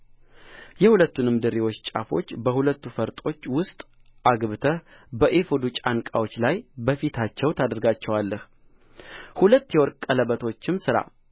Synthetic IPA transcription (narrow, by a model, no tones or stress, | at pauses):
jɛhulət̪ːunɨmɨd̪ɨɾiwo̞t͡ʃːt͡ʃʼa̰fo̞̰t͡ʃːbəhulət̪ːufəɾt̪ʼo̞t͡ʃːwʊst̪ʼʔaɡβɨt̪ʰə | bəʔefod̪ut͡ʃʼankʼawo̞t͡ʃːlajbəfit̪ʰat͡ʃːɛwt̪ʰad̪əɾɡat͡ʃːɛwalːəh | hulət̪ːjɛwɔɾkʼːələβət̪ʰo̞t͡ʃːɪmsɨɾa̰